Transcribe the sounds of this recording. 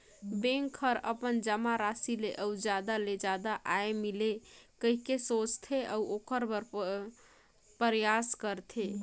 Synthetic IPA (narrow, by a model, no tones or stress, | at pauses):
bẽŋkʰːəɾə̰pənd͡ʒəmaɾasileʔəud͡ʒjad̪aled͡ʒad̪aʔaemilekəɦikesot͡ʃt̪ʰeʔəwokəɾbəɾ | pəɾjaskəɾt̪ʰe